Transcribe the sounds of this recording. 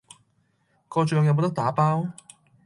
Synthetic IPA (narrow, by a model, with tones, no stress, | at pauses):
kɔː˧t͡ʃœː˧ŋjɐ˨˧wmo˨˧˥t̪ɐ˥k̚t̪aː˨˥paː˥w